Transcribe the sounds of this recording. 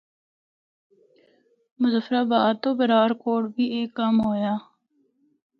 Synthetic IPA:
mʊzəfəɾaːbaːt̪oːbəɾaːɾkoːɽbʱiːeːkːəmɦoːjaː

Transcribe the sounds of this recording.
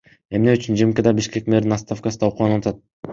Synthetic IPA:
e̞mneyt͡ʃynd͡ʒimkʲed̪ɑbiʃke̞k̚meɾd̪inɑst̪afkasnɑuqulˠɑnɑlɑt̪ɑt̪̚

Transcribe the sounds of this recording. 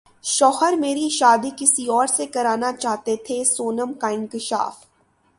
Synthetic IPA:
ʃɔːhəɾmeːɾiʃaːd̪ikɪsiɔːɾsekɐɾaːnat͡ʃaːɦt̪et̪ʰesoːnəmkaɪ̃ŋkɪʃa̰ːf

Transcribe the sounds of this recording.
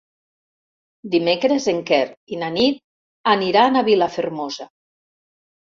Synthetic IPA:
d̪imekɾezeŋkɛɾinanit̪̚ | aniɾaːnaβilafeɾmoza

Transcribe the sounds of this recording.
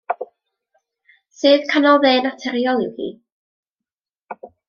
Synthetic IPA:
sɨð̥kʰanɔlˠðeːnatʰɛɾiɔlˠɪ̰whḭː

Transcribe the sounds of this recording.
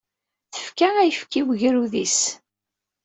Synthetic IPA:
θə̥fkææjəfkiwəʝɾuðis

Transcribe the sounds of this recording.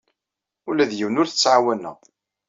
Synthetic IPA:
ʊlæðjiwnʊɾθə̥t͡sːʕawænːæ̰

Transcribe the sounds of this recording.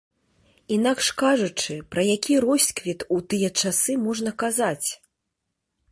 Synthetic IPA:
inakʂkaʐut͡ʂɨpɾɐjakʲiɾɔsʲkvʲit̪ut̪ɨjɛt͡ʂasɨmɔʐnɐkazat͡sʲ

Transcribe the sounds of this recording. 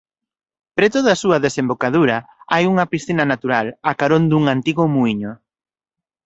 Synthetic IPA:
pɾet̪oðaːsuɐðesembokað̞uɾɐajuŋɐpisθinɐnat̪uɾalakaɾond̪uŋant̪iɣʊmuiɲʊ

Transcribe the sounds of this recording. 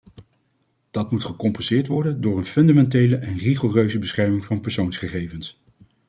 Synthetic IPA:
d̥ɑtmutχəkɔmpɛnsɪːɹtʋɔɹdəndʊːɹənfɵndamɛntejləʔɛnriχorøɥzəbəsχɛɹmɪŋvɑnpɛɹsownsχəχejvəns

